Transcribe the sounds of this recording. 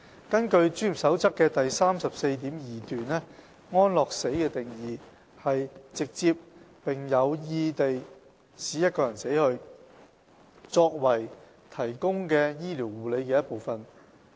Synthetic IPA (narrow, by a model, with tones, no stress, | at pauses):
kɐ˥nkɵ˧ɥt͡ʃyː˥˨˩sɐ˨˥wt͡sɐ˥kːɛː˧t̪ɐ˨jsaː˥msɐ˨p̚se˧jt̪iː˨˥mjiː˨t̪yː˨nlɛː˥ | ŋɔː˥nlɔː˨k̚se˨˥jkɛː˧t̪ɪ˨ŋjiː˨˧ | hɐ˨jt͡sɪ˨k̚t͡siː˧p̚ | pɪ˨ŋjɐ˨˧wjiː˧t̪e˨j | siː˨˥jɐ˥t̚kɔː˧jɐ˨˩nse˨˥jhɵ˧ɥ | t͡sɔː˧k̚wɐ˨˩j | t̪ʰɐ˨˩jkʊ˥ŋkɛː˧jiː˥liː˨˩wuː˨˩le˨˧jkɛː˧jɐ˥t̚po˨wfɐ˨n